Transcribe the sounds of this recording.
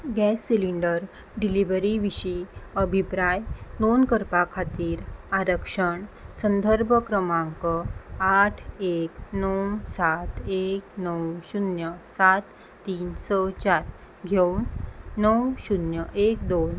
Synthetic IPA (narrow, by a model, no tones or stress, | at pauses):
ɡɛsːiliɳɖəɾ | ɖiliʋəɾiʋiɕiəbʱipɾajd̪onkəɾpakʰat̪iːɾaɾəkʂəɳsənd̪ʱəɾbʱəkɾəmãŋkəaʈʰeknəwsat̪eknəwɕunjəsat̪ː | iːnsɔt͡ɕaɾ | ɡʱewnːəwɕunjəʔek̚d̪on